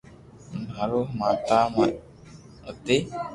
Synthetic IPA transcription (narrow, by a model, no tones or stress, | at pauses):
naɾomat̪ama | ot̪e